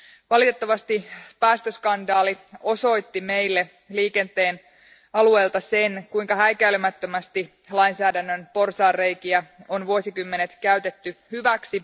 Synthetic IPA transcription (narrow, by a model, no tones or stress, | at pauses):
ʋɑlit̪e̞t̪ːɑʋɑst̪ipæːst̪øskɑndɑːlio̞so̞jt̪ːime̞jlːe | liːke̞nt̪e̞ːn | ɑlue̞ːlt̪ɑse̞nkuiŋkɑhæikæylymæt̪ːø̞mæst̪i | lɑinsæːdænːønpo̞rsɑːrre̞jkiæo̞nʋuosikymːe̞net̪kæyt̪et̪ːyhyʋæksi